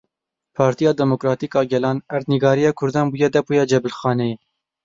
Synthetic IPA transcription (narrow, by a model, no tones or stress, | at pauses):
pʰɑːɾt̪ijɑːd̪ɛmokɾɑːt̪iːkɑːɡɛlɑːnæɾt̪niɡɑːɾijɑːkʰʊɾd̪ɑːnbuːjɛd̪ɛpujɛd͡ʒɛbɪlxɑːneː